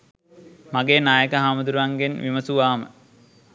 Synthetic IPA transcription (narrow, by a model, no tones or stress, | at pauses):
maɡeːnaːjəkəɦamɐd̪uɾuʋaŋɡenʋʔiməsuʋaːmə̰